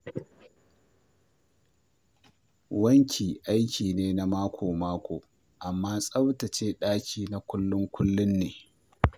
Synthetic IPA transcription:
wɐ˦ŋkʲʰiː˨ʔa˦jkʲʰiː˨neː˦na˦maː˦kʷoː˨maː˦kʷʰoː˨ | ʔa˨mːaː˦sʼɐ˦btɐ˨t͡ʃeː˦ɗaː˦kʲʰiː˨na˨kʷʊ˦lːʊ˦ŋkʷʊ˦lːʊ˦nːeː˨

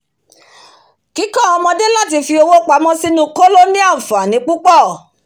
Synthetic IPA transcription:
ki˨˦kã˦˨ɔ˧mɔ̃˧de˦la˦˨t̬i˧fi˧o˧wo˦k͡pa˨˧˦mɔ̃˦si˦nũ˦ko˦lo˦nĩ˦a˦˨fa˨nĩ˨˦k͡pu˦k͡pɔ˦˨

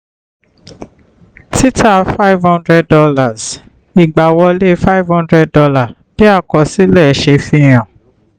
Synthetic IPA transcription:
ti˦tʰa˦˨fa˦i˦vhɔ̃˦ndɾɛ˧d̚ɔ˧la˨z | i˨ɡ͡ba˨wɔ˧le˦fa˦i˦vhɔ̃˦ndɾɛ˧d̚dɔ˧la˦˨ | b̥i˦a˦˨kɔ˨si˨˦lɛ˦˨ʃe˧fĩ˧˨j̃ã˨

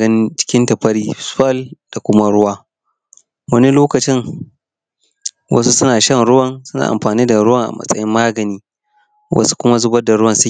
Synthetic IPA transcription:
ɐ˦nt͡ʃɪ̥˦kʲɪ˦ntɐ˨ɸɐ˦ɽiː˦sɐ˦ld̥a˨kʷʊ˦ma˦ɽʊ˦waː˦ | wɐ˦ni˦loː˦kɐ˨t͡ʃɪ˦ŋ | wɐ̰˦su˦sʊ˦naː˨ʃɐ˦nɾʊ˦wɐ˨nsʊ˦na̰ː˨ʔa̰˨mɸaː˨niː˦da˨ɾʊ˦wɐ˨ŋʔa̰˨mɐ̰˦sʼɐ̰˦jɪ˦mːaː˦ɡɐ˨niː˦ | wʔɐ̰˦su̥˦kʷʊ˦ma˦zʊ˦bɐ˦da˨ɽʊ˦wɐ˦˨nsʊ˦˨

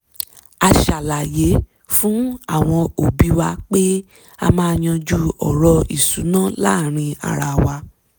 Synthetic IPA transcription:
a˧ʃa˨la˨je˨˦ | fũ˦a˦˨w̃ɔ̃˧o˨bi˨˦wa˧k͡pe˦ | a̰˧mãː˦˧j̃ã˧d͡ʒu˦ɔ̰˨ɾɔ˧ḭ˨su˨˦nã˦la˦˨ɾ̃ĩ˧a̰˨ɾa˧wa˧

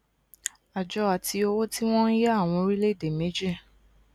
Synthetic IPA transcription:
a˨d͡ʒɔ˨˦a˨tʰi˧o˧wo˦ti˦w̃ɔ̃˦n̩˦jɛ˦a˦˨w̃ɔ̃˧ɾi˦le˦i˦˨de˨me˨˦d͡ʒe˦˨

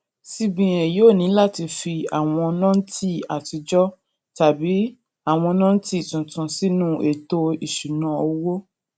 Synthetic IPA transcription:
si˧bĩ˨j̃ɛ̃˨joː˦˨nĩ˨˦la˦˨ti˧fi˧a˨w̃ɔ̃˧ɔ˧nã˦n̩˦ti˦a˨ti˧d͡ʒɔ˦ | ta˨bi˨˦ | a˦˨w̃ɔ̃˧nã˦n̩˦ti˦i˨tũ˨tũ˨si˦nũ˦e˨to˧i˨ʃu˨nã˨˧˦o˧wo˦

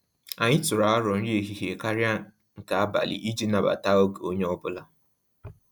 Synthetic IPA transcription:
a˨ɲɪ˦tʊ˨ɾa˨a˦ɾɔ˨n̩˦ɾi˦e˨ɦi˨ɦe˨ka˦ɾja˦ | ŋ̩˨ka˨a˦ba̰˨lḭ˨ʔi˦d͡ʒi˦na˨ba̰˨ta˦o˦ɡe˨o˦ɲe˦ɔ˦bʊ˦la˦

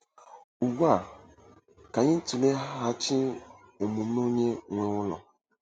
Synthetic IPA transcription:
u˨ɡʷa˦˨ | ka˨ɲɪ˦n̩˦tu˨le˦ɦa˦ɦa˦t͡ʃɪ˦ | o˨mu˨˦o˦ɲe˦ŋʷe˦ŋʷʊ˦lɔ̰˨

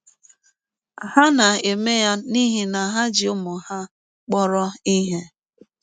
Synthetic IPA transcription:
a˨ha˦na˨e˨me˦ja˦ni˦ɦi˦na˨ɦa˦d͡ʒɪ˨ʊ˦mʊ˨ha˦ | k͡pɔ˦ɾɔ˦i˦ɦe˦

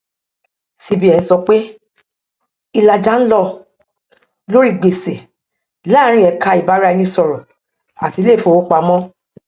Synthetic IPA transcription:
si˧bi˦ɛ˨ĩ˨˧sɔ˧k͡pe˦ | i˧la˨d͡ʒa˦n̩˦lɔ˦˧ | lo˦ɾi˦˨ɡ͡be˨se˨ | laː˦ɾ̃ĩ˧˨ɛ˨˧˨kʰa˧i˨ba˨˦ɾa˧jĩ˧sɔ˨ɾɔ˨ | a̰˨ti˧˦le˦˨fõ˧˨wo˨˦k͡pa˧mɔ̃˦

